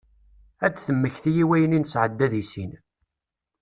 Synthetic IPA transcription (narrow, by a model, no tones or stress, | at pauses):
æt͡sːθəmːəçθijiwæjəninsʕəd̪ːæðisin